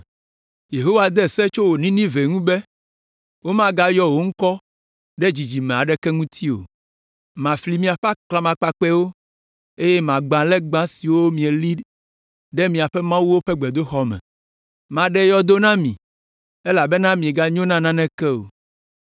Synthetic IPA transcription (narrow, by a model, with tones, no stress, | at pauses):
je˨ɦo˦wa˨d̪ɛ˦˨sɛ˦t͡ʃo˦wo˨nĩ˦nĩ˦ve˨ŋũ˦bɛ˦ | wo˦mã˦ɡa˦jɔ˦wo˨ŋ̩˦kɔ˦ | ɖɛ˦d͡ʑi˨d͡ʑi˨mɛ̃˨a˨ɖɛ˦kɛ˦ŋũ˦t̪ʰi˦o̰˨ | mã˨fli˨mĩ˨a˨ɸa˦kla˦mã˨k͡pa˨k͡pɛ˦wo˦ | e˦jɛ˦mã˨ɡ͡bã˨lɛ˦ɡ͡bã˦si˨wo˦mĩ˨e˨li˦ | ɖɛ˦mĩ˨a˨ɸɛ˦mã˦wu˦wo˦ɸɛ˦ɡ͡bɛ˨d̪o˦xɔ˦mɛ̰̃˨ | mã˨ɖɛ˦jɔ˦d̪o˦nã˦mĩ˨ | e˦la˨bɛ˦nã˦mĩ˨e˨ɡa˦ɲõ˦nã˦nã˦nɛ̃˦kɛ˦o̰˨